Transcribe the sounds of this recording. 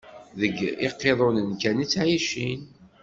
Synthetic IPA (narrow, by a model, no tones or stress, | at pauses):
ðəɡɪqːeðˤonənkænit͡sːʕiʃin